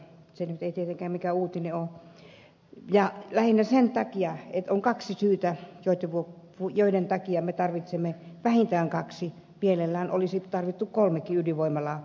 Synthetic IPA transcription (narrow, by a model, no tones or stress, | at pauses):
senyt̪eit̪iet̪eŋkæːmmikæuːt̪ineo | jɑlæhinːæsent̪ɑkiɑet̪oŋkɑksisyːt̪æjoˑit̪ːeʋuo | ujoˑident̪ɑkiɑmet̪ɑrʋit̪semːeʋæhint̪æːŋkɑksi | mielelːæːno̰lisit̪ɑrʋit̪ːukkolmekːiyliʋoimɑlɑː